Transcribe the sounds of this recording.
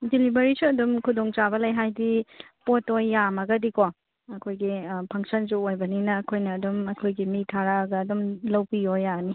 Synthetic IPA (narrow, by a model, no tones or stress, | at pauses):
dilibɐɾisuɐdumkʰudoŋt͡ʃabɐlɐjɦajdipotojːamɐɡɐdiko | ɐkʰojɡipʰɐŋsɐnsuojbɐninɐːkʰojnɐːdumɐkʰojɡimitʰaɾaɡɐːdumlɐwpiojani